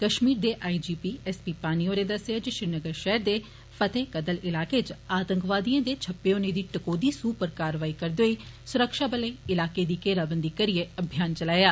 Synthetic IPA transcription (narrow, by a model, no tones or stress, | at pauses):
kəʃmiːɾd̪eːʔaːiːd͡ʒiːpiːɛspiːpaːniːõːɾeːd̪əseaːd͡ʒəʃɾɪnəɡəɾʃɛɦɾd̪eː | pʰət̪eːkəd̪əlɪlaːkeːt͡ʃaːt̪əŋkʋaːd̪ijãːd̪eːt͡ʃʰəpːeoːneːd̪iːʈəkoːd̪iːsuːpəɾkaːɾʋaːiːkəɾd̪oːiː | sʊɾəkʃaːbəlẽːɪlaːkeːd̪iːkeːɾaːbənd̪iːkəɾɪeːəbʱijaːnt͡ʃəlaːjaː